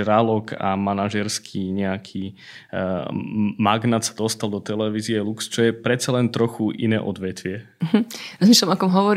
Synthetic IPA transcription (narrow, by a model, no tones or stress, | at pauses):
ɾalɔkʰa̰manaʒɛɾskʰiːɲɛakʰiː | maɡnat̪sad̪ɔst̪alˠd̪ɔt̪ɛlɛʋiːziɛlukst͡ʃɔjɛpɾɛt̪t͡salɛnt̪ɾɔxuʔḭnɛ̰ːʔɔd̪ʋɛt̪ʋɪɛ | ɦm̩ɾɔzmislamɔkɔmɦɔʋɔɾ